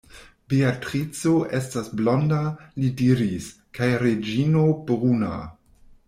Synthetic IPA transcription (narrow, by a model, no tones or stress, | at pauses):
beatɾit͡soʔe̞stasblo̞ndalidiɾis | kajɾed͡ʒinobʁuna̰